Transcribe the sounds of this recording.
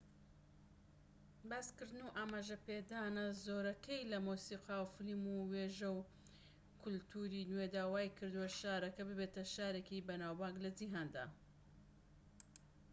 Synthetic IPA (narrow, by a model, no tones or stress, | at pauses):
baːskɨɾd̪ɨnuʔaːmaːʒɐped̪aːnɐzoːɾɐkʰɐjlɐmuːsiːqawfɨlimuweːʒɐw | kʰʊlt̪ʰuɾiːnwed̪aːwaːjkʰɨɾd̪uwɐʃaːɾɐkɐbɨbet̪ɐʃaːɾekibɐnaːwbaːɡlɐd͡ʒiɦaːnd̪a̰ː